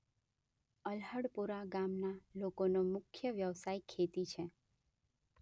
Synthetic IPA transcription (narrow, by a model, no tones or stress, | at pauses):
əlɦəɽpuɾaɡamnalokonomʊkʰːjəʋjəʋsaikʰːet̪it͡ʃʰe